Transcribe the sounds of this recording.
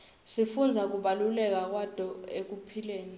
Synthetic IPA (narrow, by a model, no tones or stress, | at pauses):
sifund͡zʱak̬uɓalulɛk̬ak̬wad̥ʱʼɔek̬upʰileːni